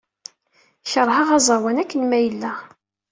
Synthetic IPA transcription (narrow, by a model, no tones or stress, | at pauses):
çəɾˤhɑʁɑzˤɑˤwænækːənmæjəlːæ